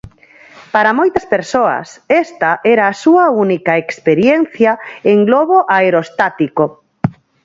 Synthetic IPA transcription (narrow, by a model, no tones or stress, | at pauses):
paɾɐmojt̪ɐspeɾsoɐ̰sɛst̪ɐʔɛɾɐːsuɐunikɐekspeɾjɛn̟θjɐeŋɡlɔβoʔaeɾost̪at̪iko